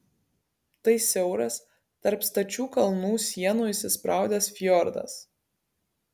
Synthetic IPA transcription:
t̪ɐɪsʲɛʊɾɐs | t̪ɐɾpst̪ɐt͡ʃʲuːkɐlˠnuːsʲiɛnuːɪʃʲsʲɪspɾʔɑˑʊd̪ʲɛsfʲjɔɾd̪ɐ̰s

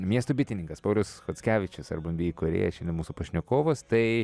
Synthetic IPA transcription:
mʲiɛst̪oːbʲɪt̪ʲɪnʲɪŋkɐspɐʊlʲosxoːt̪sʲkʲæːʋʲɪt͡ʃʲʊsɐ̰ɾbɐnʲbʲiːikoːɾʲḛːjɛʃʲɛndʲɪnmuːsuːpɐʃʲnʲokoːʋoːst̪ɐɪ

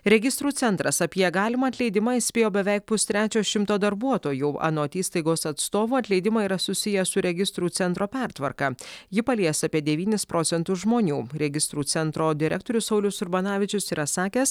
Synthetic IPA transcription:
ɾʲɛɡʲɪst̪ɾuːt̪sʲɛnt̪ɾɐsɐpʲiɛɡɑːlʲɪmɑːt̪ʲlʲɛɪd̪ʲɪmɑisʲpʲeːjoːbʲɛʋʲɛɪk̚pʊst̪ʲɾʲæːt͡ʃʲoːʃʲɪmt̪oːd̪ɐɾbuɔt̪oːjuːɑ̰ːnoːt̪ʲiːst̪ɐɪɡoːsɐt̪st̪oːʋuːɐt̪lʲɛɪd̪ʲɪmɑiɾɐsʊsʲɪjɛsʊɾʲɛɡʲɪst̪ɾuːt̪sʲɛnt̪ɾoːpʲæˑɾt̪ʋɐɾkɑjɪpɐlʲiːɛsɑːpʲiɛd̪ʲɛʋʲiːnʲɪspɾoːt̪sʲɛnt̪ʊsʒmoːnʲuːɾʲɛɡʲɪst̪ɾuːt̪sʲɛnt̪ɾoːd̪ʲɪɾʲɛk̚t̪oːɾʲʊssɐʊlʲʊsʊɾbɐnɑːʋʲɪt͡ʃʲʊsiːɾɐsɑːkʲeːs

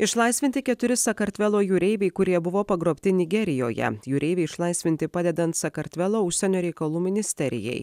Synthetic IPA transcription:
ɪʃlˠɐˑɪsʲʋʲɪnʲt̪ʲɪkʲɛt̪ʊɾʲɪsɐkɐɾʲt̪ʲʋʲɛlˠoːjuːɾʲɛɪʋʲɛɪkʊɾʲiɛbʊʋoːpɐɡɾoːpʲt̪ʲɪnʲɪɡʲɛɾʲɪjoːjɛ̰juːɾʲɛɪʋʲɛɪɪʃlˠɐɪsʲʋʲɪnʲt̪ʲɪpɑːd̪ʲɛd̪ɐnt̪sɐkɐɾʲt̪ʲʋʲɛlˠoːʊʃʲsʲɛnʲoːɾʲɛɪkɐlˠuːmʲɪnʲɪsʲt̪ʲɛɾʲɪ̰jɛ̰ɪ

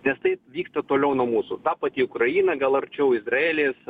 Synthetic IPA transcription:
nʲɛst̪ɐɪʋʲiːkst̪ɐt̪oːlʲɛʊnuɔmuːsʊt̪ɑːpɑt̪ʲiːʊkɾɐjiːnɐɡɐlˠɐɾʲt͡ʃʲɛʊɪzɾɐeːlʲeːs

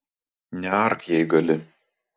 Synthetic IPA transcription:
nʲɛɐɾkjɛɪɡɐlʲɪ

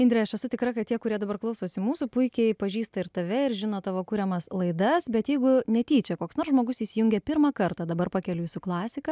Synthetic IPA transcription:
ɪnʲd̪ɾʲɛɐʃɛsʊt̪ʲɪkɾɐkɐt̪tʲiɛkʊɾʲiɛd̪ɐbɐrklˠɐʊsoːsʲɪmuːsupʊɪkʲɛɪpɐʒʲiːst̪ɐɪɾt̪ɐʋʲɛɪɾʒʲɪnoːt̪ɑʋoːkʊɾʲɛmɐslˠɐɪd̪ɐsbʲɛt̪jɛɪɡʊnʲɛt̪ʲiːt͡ʃʲɛkoːksnoːrsʒmoːɡʊsiːsʲjʊŋʲɡʲɛpʲɪɾmɑːkɐrt̪ɑd̪ɐbɐɾpɑkʲɛlʲʊjɪsʊklˠɑːsʲɪkɐ

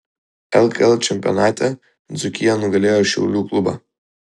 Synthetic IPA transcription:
elkʼelat͡ʃʰempʼio̰natʼa | d͡zukʲʰʼijanuɡaleraʃiṵlʲukʼluba̰

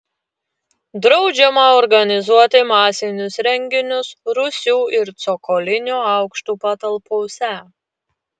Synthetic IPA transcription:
d̪ɾɒʊd͡ʒʲɛmɐɔɾɡɐnʲɪzuɔt̪ʲɪmɑːsʲɪnʲʊsɾʲɛŋʲɡʲɪnʲʊsɾʊsʲuːɪɾt̪sɔkɔlʲɪnʲuːɐˑʊkʃt̪uːpɐt̪ɐlˠpɔʊsʲɛ

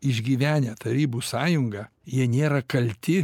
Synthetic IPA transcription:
ɪʒʲɡʲiːʋʲæːnʲɛt̪ɐɾʲiːbuːsɑːjʊŋɡɐ | jiɛnʲeːɾɐkɐlʲt̪ʲɪ

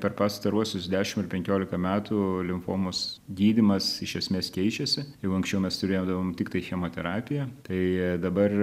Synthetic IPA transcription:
pʲɛɾpɑːst̪ɐɾuɔsʲʊsd̪ʲæːʃʲɪmɪrpʲɛŋʲkʲoːlʲɪkɐmʲæːt̪ulʲɪmfoːmosɡʲiːd̪ʲɪmɐsɪʃʲɛsʲmʲeːskʲɛɪt͡ʃʲɛsʲɪjɛʊɐŋksʲt͡ʃʲɛʊmʲɛst̪ʊɾʲeːjod̪ɐʋoːmt̪ʲɪk̚t̪ɐɪxʲɛmoːt̪ʲɛɾɑːpʲɪjɛt̪ɐɪd̪ɐbɐr

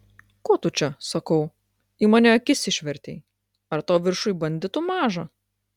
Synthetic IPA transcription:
koːt̪ʊt͡ʃʲɛsɐkɐʊ | imɑːnʲɛɐkʲɪsʲɪʃʲʋʲɛɾʲt̪ʲeɪ | ɐɾt̪oːʋʲɪɾʃʊjbɐnʲd̪ʲɪt̪ʊmɑːʒɐ

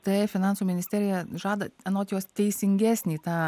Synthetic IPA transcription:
t̪ɐɪfʲɪnɑːnsuːmʲɪnʲɪsʲt̪ʲæːɾʲɪjɛʒɑːd̪ɐɛnoːt̪ʲjoɔst̪ʲɛɪsʲɪŋʲɡʲæːsʲnʲiːt̪ɑː

